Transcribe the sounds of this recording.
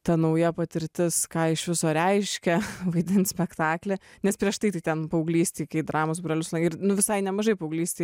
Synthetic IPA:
t̪ɐnɐʊjɛpɐt̪ʲɪɾʲt̪ʲɪskɑːɪʃʋʲɪsoːɾʲɛɪʃʲkʲɛʋɐɪd̪ʲɪnt̪sʲpʲɛkt̪ɑːklʲenʲɛspʲɾʲiɛʃt̪ɐɪt̪ɐɪt̪ʲɛnpɐʊɡlʲiːsʲt̪ʲiːkɐɪd̪ɾɑːmoːs̬bɾɐlʲʊsnɐɪɾnʊʋʲɪsɐɪnʲɛmɐʒɐɪpɐʊɡlʲiːsʲt̪ʲiː

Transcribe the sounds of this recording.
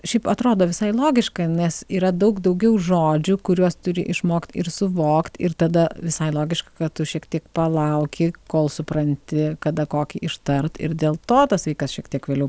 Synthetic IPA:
ʃʲɛɪpɐt̪ɾoːd̪oːʋʲɪsɐɪlˠoːɡʲɪʃkɐnʲɛsiːɾɐd̪ɐʊkd̪ɐʊɡʲɛʊʒoːd͡ʒʲʊkʊɾʲuɔst̪ʊɾʲɪ̰ʔɪʃmoːkt̪ɪ̰ɾsʊʋoːkt̪ɪɾt̪ɐd̪ɐʋʲɪsɐɪlˠoːɡʲɪʃkɐkɐt̪t̪ʊʃʲiɛkt̪ʲiɛkpɐlˠɐʊkʲɪkoːlˠsʊpɾɐnʲt̪ʲɪkɐd̪ɐkoːkʲɪʔɪʃt̪ɐrt̪ɪ̰ɾd̪ʲeːlˠt̪oːt̪ɐsʋɐɪkɐsʃʲiɛkt̪ʲiɛkʋʲeːlʲɛʊ

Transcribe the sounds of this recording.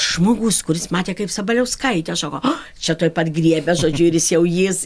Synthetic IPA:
ʒmoːɡuskʊɾʲɪsmɑːt̪ʲeːkɐɪpsɐbɐlʲɛʊskɐɪt̪ʲɛsɑːkoː | t͡ʃʲɛt̪oːjpɐt̪ɡrʲiɛbʲɛʒoːd͡ʒʲʊɪɾʲjɪsjɛʊjɪs

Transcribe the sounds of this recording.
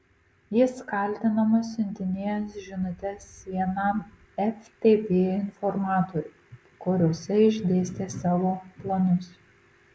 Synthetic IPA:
jɪskɐˑlʲt̪ʲɪnɐmɐsʲʊnʲt̪ʲɪnʲeːsʒʲɪnʊt̪ʲɛsːʲiɛnɑˑm | ɛft̪ʲeːpʲeːɪnfɔɾmɑːt̪oːɾʲʊ | koɾʲoːsʲɛɪʒʲd̪ʲeːsʲt̪ʲeːsɑːʋoːplˠɐnʊs

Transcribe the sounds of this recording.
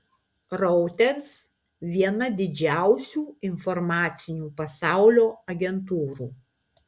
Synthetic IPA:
ɾɔʊt̪ʲɛɾs | ʋʲiɛnɐd̪ʲɪd͡ʒʲæˑʊsʲuːɪnfɔɾmɑːt̪sʲɪnʲuːpɐsɑˑʊlʲoːɐɡʲɛnt̪uːɾuː

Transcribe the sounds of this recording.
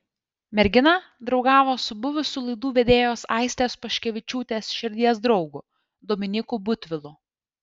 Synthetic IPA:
mʲɛɾʲɡʲɪnɑd̪ɾɒʊɡɑːʋoːsʊbʊʋʲʊsʲuːlˠɐɪd̪uːʋʲed̪ʲeːjoːsɑˑɪsʲt̪ʲeːspɐʃʲkʲɛʋʲɪt͡ʃʲuːt̪ʲeːsʃʲɪɾʲd̪ʲiɛsd̪ɾɒʊɡʊ | d̪ɔːmʲɪnʲɪkuːbʊt̪ʲʋʲɪlˠʊ

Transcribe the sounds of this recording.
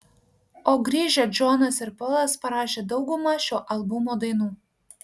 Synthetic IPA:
oːɡɾʲiːʒʲoːd͡ʒoːnɐsɪɾpɔlˠɐspɐɾɑːʃʲeːd̪ɒʊɡʊmɑːʃʲoːʔɐlˠbʊmoːd̪ɐɪnuː

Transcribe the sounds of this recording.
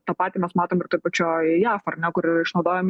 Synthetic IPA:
t̪ɐpɑːt̪ʲiːmʲɛsmɑːt̪oːmɪrt̪oːpɐt͡ʃʲoːjɑːfɐrnʲɛkʊɾɪʃnɐʊd̪oːjoːm

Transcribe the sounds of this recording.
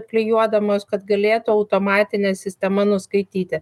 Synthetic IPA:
t̪̚pʲlʲɪjuɔd̪ɐmoːskɐt̪ɡɐlʲeːt̪ʊɐʊt̪oːmɑːt̪ʲɪnʲɛːsʲɪsʲt̪ʲɛmɐnʊskɐɪt̪ʲiːt̪ʲɪ

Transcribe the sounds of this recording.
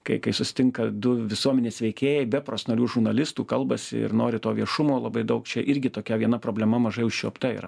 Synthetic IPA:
kɐɪkɐɪsʊsʲɪ̥t̪ʲɪŋkɐd̪ʊʋʲɪsuɔmʲɛnʲeːsʋʲɛɪkʲeːjɛɪbʲɛpɾoːsnɐlʲuːʒʊɾnɐlʲɪst̪uːkɐlˠbɐsʲɪ̰ɪ̰noːɾʲɪt̪oːʋʲiɛʃʊmoːlˠɐbɐɪd̪ɐʊkt͡ʃʲɛʔɪɾʲɡʲɪt̪oːkʲɛʋʲiɛnɐpɾoːbʲlʲɛmɐmɐʒɐɪʊʃʲʃʲuɔpt̪ɐḭːɾɐ̰

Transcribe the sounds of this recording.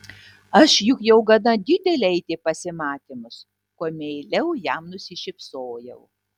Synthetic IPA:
ɐʃjʊkjɛʊɡɐd̪ɐd̪ʲɪd̪ʲɛlʲeːɛɪt̪ʲeːpɐsʲɪmɑːt̪ʲɪmʊs | koɔmʲeːlʲɛʊjæmnʊsʲɪʃʲɪpsoːjɛʊ

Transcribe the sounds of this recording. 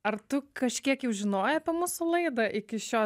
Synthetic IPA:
ɐɾt̪ʊkɐʃʲkʲiɛkjɛʊʒʲɪnoːjɛɐpʲɛmʊsʊlˠɐɪd̪ɐʔɪkʲɪʃʲoː

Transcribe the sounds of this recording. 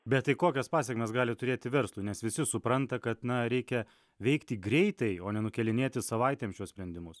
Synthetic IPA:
bʲɛt̪t̪ːɐɪkoːkʲɛspɑːsʲɛkʲɪmʲɛsɡɑːlʲɪt̪ʊɾʲeːt̪ʲɪʋʲɛɾslˠuːnʲɛsʋʲɪsʲɪsʊpɾɐnt̪ɐkɐt̪nɐɾʲɛɪkʲɛ | ʋʲɛɪkt̪ʲiːɡɾʲɛɪt̪ɐɪoːnʲɛnʊkʲɛlʲɪnʲeːt̪ʲɪsɐʋɐɪt̪ʲeːmʃʲuɔsʲpʲɾʲɛnd̪ʲɪmʊs

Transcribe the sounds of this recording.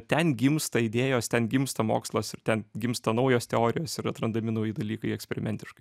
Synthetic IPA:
t̪ʲɛnɡʲɪmst̪ɐɪd̪ʲeːjoːst̪ʲɛnɡʲɪmst̪ɐmo̰ːkslˠoːsɪɾt̪ʲɛnɡʲɪmst̪ɐnɐʊjoːst̪ʲɛoːɾʲɪjoːsɪɾɐt̪ɾɐnd̪ɐmʲɪnɐʊjɪd̪ɐlʲiːkɐɪɛksʲpʲɛɾʲɪmʲɛnʲt̪ʲɪʃkɐɪ

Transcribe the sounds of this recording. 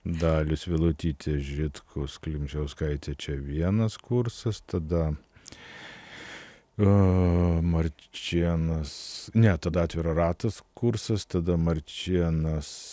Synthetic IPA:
d̪ɑːlʲʊsʋʲɪlˠʊt̪ʲiːt̪ʲeːʒʲɪt̪kʰʊsklʲɪmʲt͡ʃʲɛʊskɐɪt̪ʲet͡ʃʲɛʋʲiɛnɐskuɾsɐst̪ɐd̪ɐ | mɐɾʲt͡ʃʲiɛnɐsnʲɛt̪ɐd̪ɐɑːt̪ʲʋʲɪɾoːrɑːt̪ɐskuɾsɐst̪ɐd̪ɐmɐɾʲt͡ʃʲiɛnɐs

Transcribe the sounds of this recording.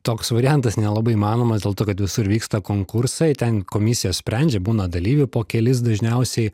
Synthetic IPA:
t̪oːksʋɐɾʲɪjɛnt̪ɐsnʲɛlˠɐbɐɪiːmɑːnoːmɐsd̪ʲeːlˠt̪oːkɐt̪ʋʲɪsʊɾʋʲiːkst̪ɐkoːŋkʊɾsɐɪt̪ʲɛnkoːmʲɪsʲɪjoːssʲpʲɾʲɛnʲd͡ʒʲɛbuːnɐd̪ɐlʲiːʋʲʊpoːkʲɛlʲɪs̬d̪ɐʒʲnʲɛʊsʲɛɪ

